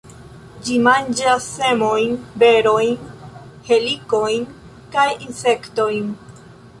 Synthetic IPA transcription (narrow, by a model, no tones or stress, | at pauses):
d͡ʒimand͡ʒasːe̞mo̞jnbe̞ɾo̞jn | he̞liko̞jn | kajinse̞kto̞jn